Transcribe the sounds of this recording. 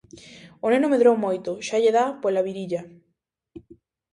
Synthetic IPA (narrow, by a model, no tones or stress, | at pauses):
onenomeðɾowmojt̪ʊʃaʎeðapolaβiɾiʎa